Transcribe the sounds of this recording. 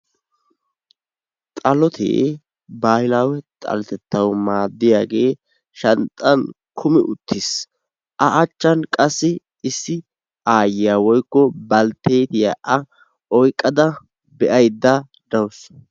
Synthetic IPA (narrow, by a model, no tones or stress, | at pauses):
t̪ʼɐlɔt̪ʰḛː | baːhɪlaːwɛt̪ʼɐ̰lɛt̪ɛt̪ːɐwmaːd̪ːɪjaːɡe̞ː | ʃɐnt̪ʼːɐn | kʰʊmɪʔʊt̪ːɪs | ʔɐʔɐt͡ʃːɐnkʼɐsːɪ | ɪsːɪ | ʔaːjɪjawɔjkːɔbɐlt̪ːeːt̪ɪjaʔɐ | ɔjkʼːɐd̪ɐ | bɛʔɐjd̪ːɐ | d̪ɐws